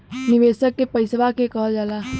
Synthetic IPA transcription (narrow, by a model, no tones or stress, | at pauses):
nɪʋeːsəkːepəɪsʋakekəɦld͡ʒalaː